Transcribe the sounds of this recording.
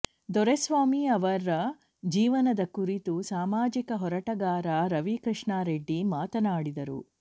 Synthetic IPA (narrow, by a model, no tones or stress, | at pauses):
d̪ɔɾesʋaːmiɐʋɐɾːɐ | d͡ʒiːʋɐnɐd̪ɐkuɾit̪usaːmaːd͡ʒikɐɦɔɾɐʈɐɡaːɾɐɾɐʋikɾɨʂɳaːɾeɖːimaːt̪ɐnaːɽid̪ɐɾṵ